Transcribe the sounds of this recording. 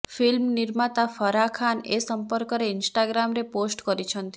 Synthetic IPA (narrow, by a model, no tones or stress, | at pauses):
fʰilmniɾmat̪afɔɾakʰanesɔmpɔɾkɔɾeinsʈaɡɾamɾeposʈkɔɾit͡ʃʰɔnt̪i